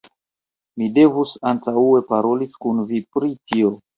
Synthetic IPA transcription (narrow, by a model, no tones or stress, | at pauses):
mide̞vusantaue̞paɾo̞liskunvipɾitio̞